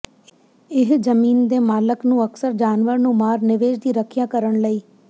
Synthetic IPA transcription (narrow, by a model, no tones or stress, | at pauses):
ɪɦd͡ʒəmiːnd̪eːmaːləknũːəksəɾd͡ʒaːnʋəɾnũːmaːɾnɪʋeːd͡ʒd̪iːɾəkʰijãːkəɾəɳləiː